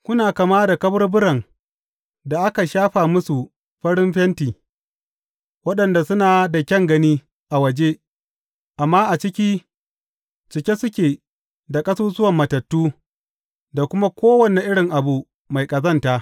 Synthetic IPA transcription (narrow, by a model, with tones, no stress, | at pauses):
kʷʊ˦naː˨ka˨maː˦da˨kɐ˦bɐ˦rbʊ˦ɽɐ˨ŋ | da˨ʔa˦ka˨ʃaː˦ɸaː˨mʊ˦su˨ | ɸɐ˦ɽɪ˦mɸɛ˦ntiː˨ | wɐ˦ɗɐ˨nda˨sʊ˦naː˨da˨kʲɐ˦ŋɡɐ˦niː˦ | ʔa˨wɐ˨d͡ʒe˦ | ʔa˨mːaː˦ʔa˨t͡ʃɪ˦kʲiː˦ | t͡ʃɪ˨kʲe˦sʊ˦kʲeː˨ | da˨kʼɐ˦suː˦zʊ˦wɐ˨mːɐ˨tɐ˨tːuː˦ | da˨kʷʊ˦ma˦kʷoː˦wɐ˨ne˨ʔɪ˦ɽɪ˨ŋʔa˨bu˨ | ma˨jkʼɐ˨zɐ˦ntaː˨ʔ